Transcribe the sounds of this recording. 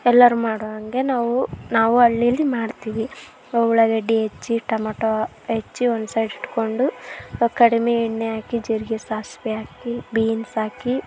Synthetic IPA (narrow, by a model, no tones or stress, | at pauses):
ɛlːɐɾumaːɽoʋɐŋɡe̞naːʋunaːʋuɐɭːijɐlːimaːɽt̪iːʋi | owɭɐɡɐɖːiɦet͡ʃːiʈɐmaːʈo | ɦet͡ʃːiond̪sɐjɖiʈːko̞ɳɖukɐɽime̞iɳːeaːkid͡ʒiɾɡesaːsʋeaːkibiːnsaːki